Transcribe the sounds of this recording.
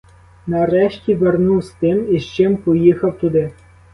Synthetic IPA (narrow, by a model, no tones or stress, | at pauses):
nɐɾɛʃtʲiʋernuwst̪ɪmiʃt͡ʃɪmpɔjixɐwt̪ʊd̪ɪ